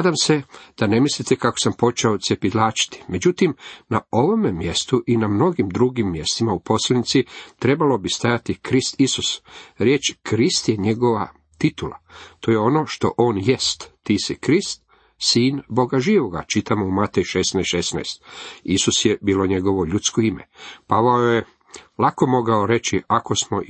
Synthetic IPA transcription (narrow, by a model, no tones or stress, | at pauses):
ad̪amse̞d̪̥ane̞mislit̪ekakosampo̞t͡ʃeot̪sjepid̪laːt͡ʃi̥t̪i̥me̞d͡ʑut̪imnao̞ʋo̞memje̞st̪uʔinamno̞ɡimd̪ɾuɡimːje̞st̪imaupo̞sleanit̪sit̪ɾe̞balo̞bist̪ajat̪ikɾist̪isusɾjeːt͡ʃkɾist̪je̞ɲe̞ɡo̞ʋa̰ | t̪it̪ula̰t̪oːjeo̞no̞ʃt̪o̞̰ʔo̞ːnjest̪ːiːsikɾist̪ | siːnbo̞ɡaʒiːʋo̞ɡa̰t͡ʃit̪amoumat̪ejʃesnaʃesna̰jst̪isusjebiːlo̞ɲe̞ɡo̞ʋo̞ʎut̪skoimḛpaʋaoje | lako̞mo̞ɡao̞ɾe̞t͡ʃiako̞smo